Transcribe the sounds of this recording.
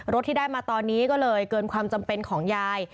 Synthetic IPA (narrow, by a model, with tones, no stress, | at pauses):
ɾo˦t̪ʰːiː˥daː˥˩jmaː˧t̪ɔː˧nːiː˦˥kɔː˥˩lɤː˧jkɤː˧nkʰwaː˧mt͡ɕa˧mpe˧nkʰɔː˩˦ŋjaː˧j